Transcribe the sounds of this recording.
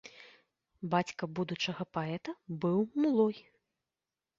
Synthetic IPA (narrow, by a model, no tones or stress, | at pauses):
bat͡sʲkɐbud̪ut͡ʂɐɣɐpaɛt̪ɐbɨwmulˠɔj